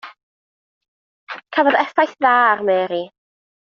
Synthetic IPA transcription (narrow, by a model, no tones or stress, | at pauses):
kʰavɔðɛfajθðaːarmɛːɾi